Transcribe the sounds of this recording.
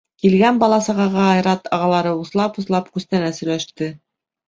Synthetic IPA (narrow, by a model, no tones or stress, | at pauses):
kilɡænbɑlˠɑsɑʁɑʁɑɑjɾɑt̪ɑʁɑlˠɑɾɤuslˠɑpuslˠɑpkʉst̪ænæsɵ̆jlæʃt̪ɘ